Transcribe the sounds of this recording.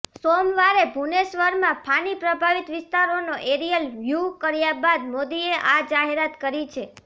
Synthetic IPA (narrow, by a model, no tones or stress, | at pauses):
somʋaɾebʱunesʋəɾmãpʰanipɾəbʱaʋit̪ʋɪst̪aɾonoʔeɾijəlʋjukəɾjabad̪mod̪ieʔad͡ʒaɦeɾat̪kəɾit͡ʃʰe